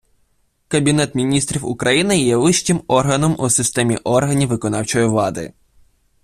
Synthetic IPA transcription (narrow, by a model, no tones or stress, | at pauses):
kɐbʲin̪ɛt̪mʲinʲist̪ɾʲiwʊ̰kɾɐjinɪjɛʋɪʃt͡ʃʲɪmɔrɦɐnɔmusɪst̪ɛmʲiʔɔrɦɐnʲiʋːɪkɔnɑwt͡ʃɔjiʋlˠɑd̪ɪ̰